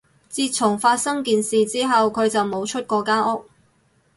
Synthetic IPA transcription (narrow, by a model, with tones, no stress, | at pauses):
t͡siː˧t̚t͡sʰʊ˨˩ŋfaː˧t̚sɐ˥ŋkiː˨nsiː˨t͡siː˥ɦɐ˨wkʰɵ˨˧ɥt͡sɐ˨wmo˨˧wt͡ʃʰɵ˥t̚kɔː˧kaː˥ʔɔ˥k̚